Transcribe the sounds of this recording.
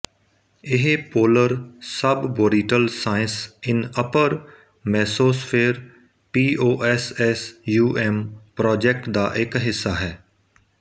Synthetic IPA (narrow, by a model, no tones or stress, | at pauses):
ɪɦpoːləɾsəbboːɾiːʈəlsaːɪnsɪnəpəɾ | mɛːsoːspʰeːɾ | piːʔoːʔɛsɛsjuːʔɛːmpɾɔːd͡ʒɛk̚ʈd̪aːʔɪkɦɪsːaːɦɛː